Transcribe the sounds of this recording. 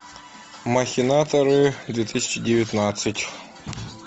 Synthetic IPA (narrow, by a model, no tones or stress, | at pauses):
maxʲɪnat̪əɾɨd̪vʲet̪ʰɨsʲɪ̥t͡ɕɪdʲɪvʲɪt̪nat̪sɨtʲ